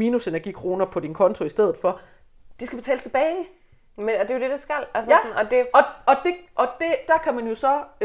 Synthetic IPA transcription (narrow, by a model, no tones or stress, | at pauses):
miːnuse̝næɐɡ̥ḭːkʰʁo̝ːnɐpʰɒ̽d̥inkʰɒ̽nt͡sʰo̝isd̥eð̞̰ˠð̩ˠfɒ̽ | d̥isɡ̥æb̥e̝t͡sʰɛ̰ːlt͡sʰe̝b̥ɛːɪ | med̥e̝jod̥e̝d̥asɡ̥æl̰ælsnɒd̥e̝ɒ̽ɒ̽d̥e̝ʔɒ̽d̥e̝d̥ɑ̈kʰæmænjo̝sɒ̽